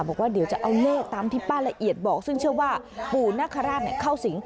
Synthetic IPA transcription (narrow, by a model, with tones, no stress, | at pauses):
bɔː˨˩k̚waː˥˩di˩˦wt͡ɕa˨˩ʔa˧wlɤː˥˩k̚t̪aː˧mt̪ʰiː˥˩paː˥˩la˧ʔi˨˩ət̪̚bɔː˨˩k̚sɯ˥˩ŋt͡ɕʰɯ˥˩ɐwaː˥˩puː˨˩naː˦˥˩kʰa˧ɾaː˥˩t̪̚ni˦˥˩kʰa˥˩wsi˩˦ŋ